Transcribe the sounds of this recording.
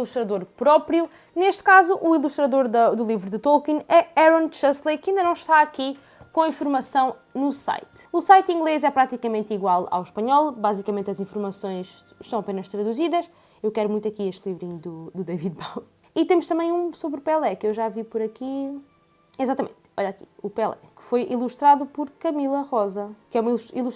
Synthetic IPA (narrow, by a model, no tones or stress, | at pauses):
ilˠuʃt̪ɾɐðoɾpɾɔpɾju | neʃt̪kazuʔːilˠuʃt̪ɾɐðoɾðɐd̪ulˠivɾuðɨt̪olˠkĩnɛɛɾõnt͡ʃɛzlˠɐkĩnd̪ɐnɐ̃w̃ʃt̪aɐki | kõɐĩfuɾmɐsɐ̃w̃nusa̰jt̪ | usajt̪ĩŋɡlˠezɛpɾat̪ikɐmẽnt̪iɣwalˠa̰wʃpɐɲɔlˠbazikɐmẽnt̪ɐzĩfuɾmɐsõj̃ʃ | ʃt̪ɐ̃w̃ɐpenɐʃt̪ɾɐðuziðɐʃ | ewkɛɾumũj̃t̪ɐkieʃt̪lˠivɾiɲud̪ud̪ud̪ɐviðbaw | it̪emuʃt̪ɐmɐ̃j̃ũsoβɾupeɛlˠɛkewʒavipɔɾɐki | izat̪ɐmḛ̃nt̪ɔʎaki̥̰upeɛlˠɛ̰kɨ̥fojʔḭlˠuʃt̪ɾaðupɔɾkɐmilˠɐʁɔzɐkɛumɐiʃilˠuʃ